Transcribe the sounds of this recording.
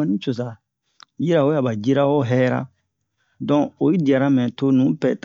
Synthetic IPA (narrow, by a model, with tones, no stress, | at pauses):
ɔ˦nĩ˦t͡ʃo˨sa˨ | ji˦ɾa˨o˦ja˨ba˨d͡ʒi˦ɾa˦wo˦ɦɛ˦ɾa̰˦ | dɔ̃˦o˨ji˦di˨a˨ɾa˦mɛ̃˨to˦nũ˨˦pɛ˨t